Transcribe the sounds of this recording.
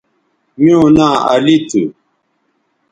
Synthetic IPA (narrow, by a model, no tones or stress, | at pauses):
mionaa̰litu